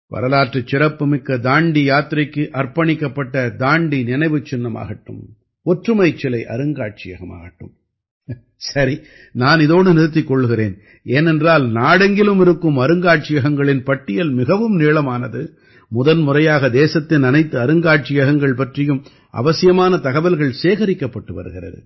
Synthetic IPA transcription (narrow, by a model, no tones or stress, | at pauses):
pɐ̰ɾɐlaːʈrɐt͡ʃːɪɾɐpːɯmɪkːɐd̪aːɳɖijaːt̪ɪɾɐɪkːɯʔɐrpɐɳɪkːɐpːɐʈːɐd̪aːɳɖinɪnɐɪʋɯt͡ʃːɪnːɐma̰ːɣɐʈːɯ̰m | ɔʈrɯmɐɪt͡ʃːɪlɐɪʔɐ̰ɾɯŋɡaːʈ̚t͡ʃɪjɐ̰ɣɐma̰ːɣɐʈːɯ̰m | sɐɾi | naːnɪðoːɽɯnɪɾɯt̪̬ːɪkːɔɭːɯɣɪɾeːn | eːnɛndraːlnaːɽɐŋɡɪlɯmɪɾɯkːɯmɐɾɯŋɡaːʈ̚t͡ʃɪjɐɣɐŋɡɐɭɪnpɐʈːɪjɐlmɪɣɐʋɯmneːɭɐmaːnɐðɯ | mʊðɐnmʊrɐjaːɣɐd̪eːsɐt̪ːɪnɐnɐɪt̪ːɯɐɾɯŋɡaːʈ̚t͡ʃɪjɐɣɐŋɡɐɭpɐʈrɪjɯm | ɐ̰ʋɐsɪjɐmaːnɐt̪ɐɣɐbɐlɣɐɭseːɣɐɾɪkːɐpːɐʈːɯʋɐ̰ɾɯɣɪrɐ̰ðɯ̰